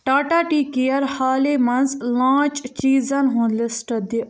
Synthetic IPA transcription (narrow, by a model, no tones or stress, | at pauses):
ʈaːʈaːʈiːkijəɾhaːleːmɐnzlãːt͡ʃt͡ʃiːzãnɦõːnlɪsʈəd̪i